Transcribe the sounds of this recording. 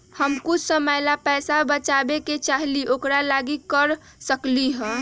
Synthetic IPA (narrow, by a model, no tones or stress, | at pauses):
həmkʊt͡ʃʰsəməjlapɛsabət͡ʃabeket͡ʃaɦliʔokɾalaɡikəɾ | səkliɦə̃